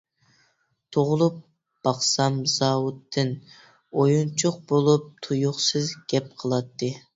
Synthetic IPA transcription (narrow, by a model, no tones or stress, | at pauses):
t̪ʰoʁʊlˠup̚ | b̥ɑχsɑmzɑːwut̪ʰːɨn | ojunt͡ʃʰʊq̚bolˠup̚t̪ʰujʊχsɨzɡʲɛp̚qʰəlˠɑt̪ʰːɨ